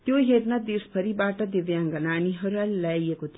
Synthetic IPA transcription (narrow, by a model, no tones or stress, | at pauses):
t̪joɦernʌd̪ispʰʌɾibaʈʌd̪iʋjaŋɡʌnaniɦʌɾualajekot̪ʰi